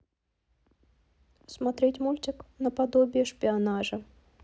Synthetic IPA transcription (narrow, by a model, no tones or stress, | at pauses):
smɐt̪ɾʲetʲmulʲtʲɪknəpɐd̪obʲɪjəʂpʲɪɐnaʐə